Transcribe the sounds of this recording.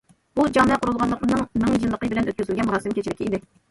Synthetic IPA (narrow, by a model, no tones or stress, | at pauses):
b̥ud͡ʒɑmɛqʰʊɾulˠʁɑnlˠəqənɨŋmɪŋjɨnlːˠəqəbɪlɛnʔøt̪kʲyzɪlʲɡʲɛnmuɾɑːsɪmkʲet͡ʃʰilɪkʲiid̪ɪ